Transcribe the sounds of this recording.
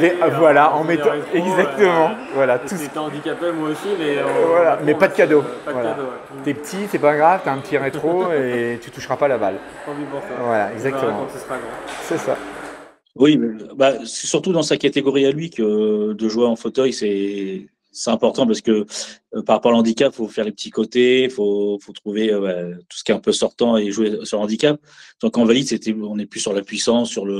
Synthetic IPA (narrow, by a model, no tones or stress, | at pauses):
ɛvwalaɑ̃met̪ɛɡzak̚t̪əmɑ̃ | vwalat̪uɑ̃d̪ikʲapemwaosimɛvwalamɛpad̪əkʲad̪opvwald̪o | t̪ɛpə̥t̪ʰit̪ɛpaɡʁav̥t̪yaɛ̃pət̪ʰiʁet̪χoet̪yt̪uʃʁapalabal | vwala̰ɛɡzakt̪əmɑ̃aɡʁsɛsa̰ | wibbasɛ̥syʁt̪ud̪ɑ̃sakat̪eɡɔʁialɥikʲəd̪əʒweɑ̃fot̪œjsɛ | sɛt̪ɛ̃pɔʁt̪ɑ̃p̬aʁsə̥kəpaʁapɔʁlɑ̃d̪ikʲapfofɛʁlepət̪ikot̪efofot̪χuveøbat̪u̥sə̥kʲjet̪ɛ̃pøsɔʁt̪ɑ̃eʒwesyʁlɑ̃d̪ikʲap̚ | d̪ɔ̃kɑ̃valid̪set̪ɛɔ̃nɛplysːyʁlapɥisɑ̃sːyʁlə